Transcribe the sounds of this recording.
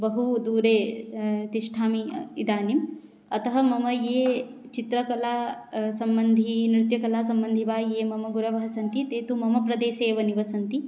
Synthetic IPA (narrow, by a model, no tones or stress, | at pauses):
bɐɦud̪uːɾeːt̪iʃʈʰaːmiid̪aːnim | ɐt̪ɐɦɐmɐmɐjeːt͡ʃit̪ɾɐkɐlaːsɐmbɐnd̪ʱinɾɪt̪jɐkɐlaːsɐmbɐnd̪ʱiʋaːjeːmɐmɐɡuɾɐʋɐɦɐsɐnt̪it̪eːt̪umɐmɐpɾɐd̪eːseːʋɐniʋɐsɐnt̪i